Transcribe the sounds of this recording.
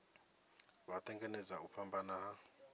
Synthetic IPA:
βatʰʼɛŋɡɛnɛd͡zauɸʰambanaɦa

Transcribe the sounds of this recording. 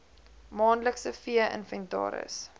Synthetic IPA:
mɑːnləksəfiəʔə̰nfəntɑ̰ːɾə̰s

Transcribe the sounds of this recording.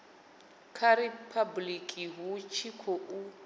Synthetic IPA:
kʰaɾipʰablikʼiɦut͡ʃʰikʰoʔu

